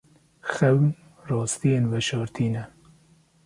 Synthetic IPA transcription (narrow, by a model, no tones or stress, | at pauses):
xɛwn | rɑːst̪ijeːnwɛʃɑːɾt̪ʰiːnɛ